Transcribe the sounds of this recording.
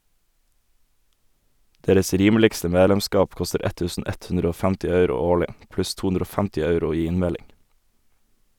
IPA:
ˈdeːɾəs ˈɾiːmlɪkstə ˈmeːlɛmˌskɑːp ˈkɔstəɾ ˈɛt ˈtʉːsn̩ ˈɛt ˈʉnɾ ˈoː ˈfæmtɪ ˈɑʉɾʊ ˈoːɭɪ ˈplʉs ˈtuː ˈʉnɾ ˈoː ˈfæmtɪ ˈɑʉɾʊ ˈiː ˈɪnˌmɛlɪŋ

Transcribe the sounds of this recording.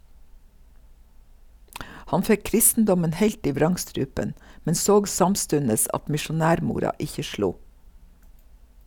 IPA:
ˈhɑn ˈfɛ ˈkɾɪstn̩dɔmən ˈheɪlt ˈiː ˈʋɾɑŋˌstɾʉːpən ˈmɛn ˈsoːɡ ˈsɑmˌstʉnəs ˈɑt mɪʃʊˈnæːɾˌmuːɾɑ ˈɪçə ˈʃluː

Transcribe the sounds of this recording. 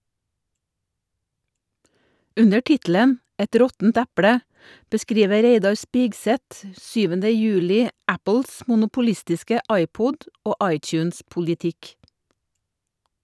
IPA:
ˈʉnə ˈʈɪtl̩ən ˈɛt ˈɾɔtn̩t ˈæpɽə bəˈskɾiːʋə ˈɾeɪdɑɾ ˈspiːɡˌsɛt ə ˈsyːʋəndə ˈjʉːlɪ ˈæpəls mʊnʊpʊˈlɪstɪskə ˈɑɪˌpʊd ˈoː ˈʔɑɪˌtjʉːnspʊldɪˌtɪk

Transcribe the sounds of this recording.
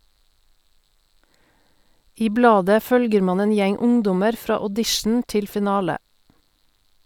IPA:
ˈiː ˈblɑːdə ˈfœlɡəɾ ˈmɑːn ˈeːn ˈjɛŋ ˈʊŋˌdɔməɾ ˈfɾɑː ɔˈdɪʃn̩ ˈtɪl fɪˈnɑːlə

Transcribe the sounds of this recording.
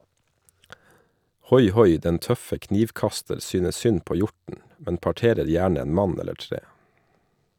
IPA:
ˈhɔjˌhɔj ˈdɛn ˈtœfə ˈkniːʋˌkɑstəɾ ˈsyːnə ˈsʏn ˈpoː ˈjɔɾtn̩ ˈmɛn pɑˈʈeːɾəɾ ˈjæːɳ ˈeːn ˈmɑn ˈɛləɾ ˈtɾeː

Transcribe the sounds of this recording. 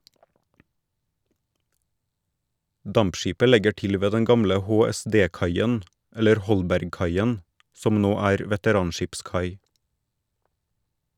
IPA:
ˈdɑmpˌʃiːpə ˈlɛɡə ˈʈɪl ˈʋeː ˈdɛn ˈɡɑmlə hoːɛˈsdeːˌkɑɪən ˈɛləɾ ˈhɔlbæɾɡˌkɑɪən ˈsɔm ˈnoː ˈæːɾ ʋɛtəˈɾɑːnˌʃɪpˌskɑɪ

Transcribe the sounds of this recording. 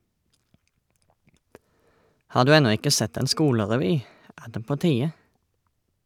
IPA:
ˈhɑː ˈdʉː ˈɛnɔ ˈɪkə ˈsɛt ˈeːn ˈskuːləʁɛˌʋyː ˈæː ˈdeː ˈpoː ˈtiːə

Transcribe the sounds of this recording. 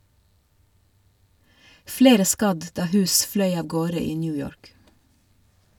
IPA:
ˈfleːɾə ˈskɑd ˈdɑː ˈhʉːs ˈflœʏ ˈɑːʋ ˈɡoːɾə ˈiː ˈnyːjɔɹk

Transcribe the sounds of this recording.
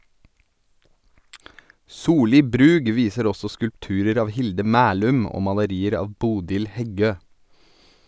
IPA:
ˈsuːˌliː ˈbɾʉːɡ ˈʋiːsəɾ ˈɔsɔ skʉlpˈtʉːɾəɾ ˈɑːʋ ˈhɪldə ˈmæːlʉm ˈoː mɑləˈɾiːəɾ ˈɑːʋ ˈbuːdɪl ˈhɛˌɡøː

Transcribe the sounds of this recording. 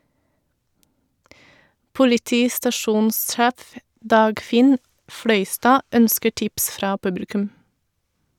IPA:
pʊlɪˈtiːstɑˌʃuːnsˌʃæːf ˈdɑːɡˌfɪn ˈfɽœʏˌstɑː ˈœnskə ˈʈɪps ˈfɾɑː ˈpʉbl̩kʉm

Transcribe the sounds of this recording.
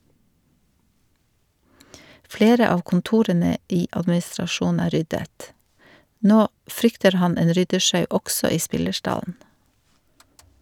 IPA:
ˈfleːɾə ˈɑːʋ kn̩ˈtuːɾənə ˈiː ʔɑdmɪsɾɑˈʃuːnn̩ ˈæː ˈɾʏdət ˈnoː ˈfɾʏktəɾ ˈhɑn ˈeːn ˈɾʏdəˌʃɑʉ ˈʔɔɡsɔ ˈiː ˈspɪləˌʃʈɑln̩

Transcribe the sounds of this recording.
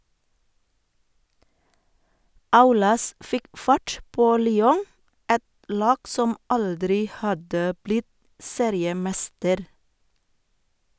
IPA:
ˈɑʉlɑs ˈfɪk ˈfɑʈ ˈpoː ˈlyːɔŋ ˈɛt ˈlɑːɡ ˈsɔm ˈʔɑldɾɪ ˈhɑdə ˈblɪt ˈseːɾɪəˌmɛstəɾ

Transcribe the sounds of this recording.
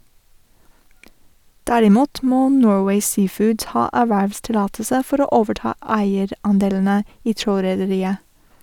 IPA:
ˈdæɾɪˌmuːt ˈmoː ˈnoːɹweɪ ˈsiːˌfʊːd ˈhɑː ˈæːʋæʋstɪˌlɑːtəsə ˈfɔɾ ˈoː ˈoːʋəˌʈɑː ˈæɪəɾ ˈɑnˌdeːln̩ə ˈiː ˈtɾoːɾɛdəˌɾiːə

